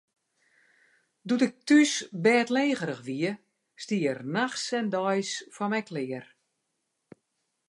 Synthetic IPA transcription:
dutɪk̚tysbɛːtleːɣəɾəxʋiə | stiərnaxsɛndɔjsfɔmɛjklɪər

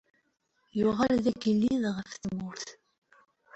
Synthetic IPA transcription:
jʊʁælðæɡəlːiðʁəfθmʊɾθ

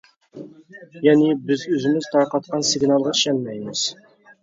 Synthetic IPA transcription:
jɛnɪbɪzøzɪmɪz̥t̪ʰɑɾqɑt̪̚qʰɑnsɪɡnɑlˠʁɑi̥ʃɛnmɛjmɪz̥

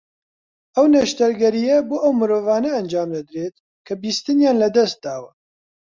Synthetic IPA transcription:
ɐwnɛʃt̪ɐɾɡɛɾijɛbuːʔɐwmɨɾoːvɑːnɛːnd͡ʒaːmd̪ɐd̪ɾeːt̪̚ | kʰɐbiːst̪ɨnjaːnlɐd̪ɛst̪̚d̪aːwɐ

